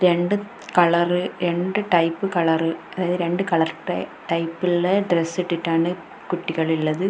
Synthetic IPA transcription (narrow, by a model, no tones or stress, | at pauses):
ɾɛɳɖɯ | kɐɭɐɾɯɾɛɳɖɯʈɐɪpːɯkɐɭɐɾɯɐðaːðɯɾɛɳɖɯkɐɭɐɾʈɐʈɐɪpːɪlːɐɖɾɛsɪʈːɯʈːaːnɐ | kʊʈːɪɣɐɭɪlːɐðɯ